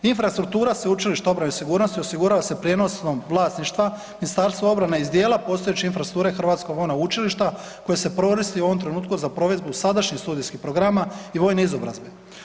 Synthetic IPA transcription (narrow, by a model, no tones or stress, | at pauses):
infɾast̪ɾuk̚t̪uːɾaseut͡ʃiliʃt̪ao̞bɾanesiɡuːɾnost̪iosiɡuɾaʋase̞pɾjeno̞sno̞mʋlˠaːsniʃt̪ʋa | minist̪aːɾst̪ʋao̞bɾaneizd̪je̞ːlˠapo̞ːst̪o̞jet͡ɕeinfɾasut̪uːɾexr̩ʋat̪sko̞ɡʋo̞jnaut͡ʃiliʃt̪a | ko̞jese̞pɾo̞ɾist̪iuo̞ʋo̞mt̪ɾe̞nuːt̪kuzapɾo̞ʋe̞d̪busad̪aʃɲist̪uːd̪ijskixpɾo̞ɡɾamaiʋo̞ːjneizo̞bɾa̰zbe